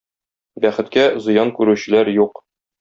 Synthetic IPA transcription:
bæχɘ̆t̪̚kæzɤ̆jɑnkʉɾʉɕɘ̆læɾjuq

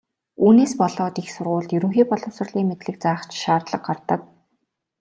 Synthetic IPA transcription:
uːneːspɔɮɔːt̪ixsʊrʁʊːɮt̪jɵɾɵ̆ŋxeːpɔɮʊ̆wsə̆ɮiːŋmet̪ɮɘ̆k̚t͡saːχt͡ɕʃaːrt̪ɮə̆q̚ɢart̪ə̆k̚

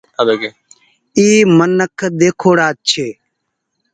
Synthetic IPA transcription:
d̪oɡe | iːmənəkʰd̪eːkʰoːɽaːt͡ʃʰeː

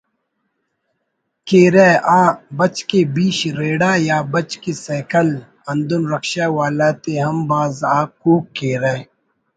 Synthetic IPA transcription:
keːɾeːʔaːbɐt͡ʃkebiːɕɾeːɽaːjaːbɐt͡ʃkeseːkəl | ɐnd̪unɾɐkʃaːwaːlaːt̪eɦɐmbaːzaːkːuːkːeːɾaː

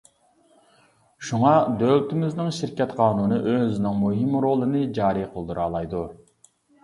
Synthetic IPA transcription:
ʃuŋɑd̪øwt̪ʰɪmɪznɪŋʃiɾkʲɛt̪qʰɑːnunɨʔøznɪŋmuɦɪmɾoːlˠɨnɨd͡ʒɑːɾiqʰəlˠd̪uɾɑːlˠɑjd̪u

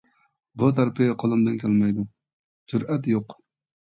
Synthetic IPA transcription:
but̪ʰæɾpʰɪqʰəlˠɨmd̪ɨnkʲʰɛlmɛjd̪u | d͡ʒuɾɛt̪joq

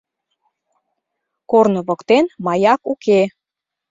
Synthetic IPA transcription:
kornŏβokt̪enmɑjɑkuke

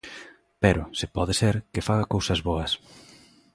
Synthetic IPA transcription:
pɛɾʊsɪpɔðɪseɾkɪfaɣɐkowsɐzβɔɐs

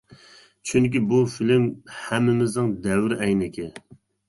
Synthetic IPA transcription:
t͡ʃʰyŋk̬ʲibufilɪmhɛmːɪmɪznɪŋd̪ɛwɾɛjnɪkʲɪ

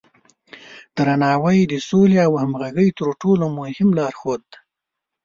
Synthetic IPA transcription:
d̪̥ɾanɑwəjd̪əsoleawhamɣaɡəjt̪əɾʈolomʊhɪmlɑɾxod̪̚ːa

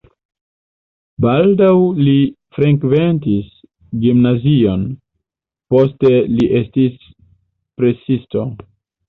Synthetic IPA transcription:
baldawli | fɾeŋkve̞ntis | ɡimnazio̞n | po̞ste̞liʔe̞stis | pɾe̞sisto

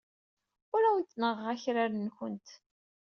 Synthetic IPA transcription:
ʊɾawənt̪ːnəʁæçɾaɾnçənt̪

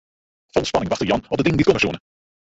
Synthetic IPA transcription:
fɔlˠspɑnɪŋʋɑχtəɹjɑnɔp̚dədɪŋəndit̚kɔməsṵːnə

